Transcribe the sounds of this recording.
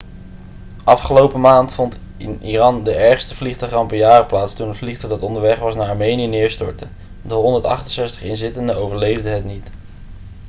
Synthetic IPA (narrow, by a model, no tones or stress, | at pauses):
ʔɑfχəlowpəmaːntfɔnt | ɪnirɑndəʔɛɹχstəvliχtœɥχɑmpəjaːrəplaːtstunətvliχtədɑtɔndəɹʋɛχʋɑsnaːɹɑɹmejnijənɪːɹstɔɹtə | dəɦɔndəɹtɑ̰χtənsɛstə̥χɪnzɪtəndəowvəɹlejvdəɦətnit